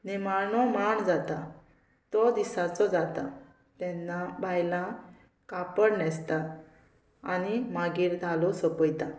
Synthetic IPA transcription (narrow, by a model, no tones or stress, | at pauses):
nimaɳɔmaɳd͡zat̪a | t̪ɔd̪isat͡sɔd͡zat̪a | t̪ɛnːabʱajlã | kapəɽnɛst̪a | a̰nimaɡiːɾd̪ʱalɔsəpəjt̪a